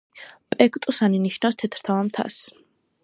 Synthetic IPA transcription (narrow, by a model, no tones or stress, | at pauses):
pʼɛkʼt̪ʼusaniniʃnafst̪ʰɛt̪ʰɾ̥t̪ʰavamt̪ʰa̰s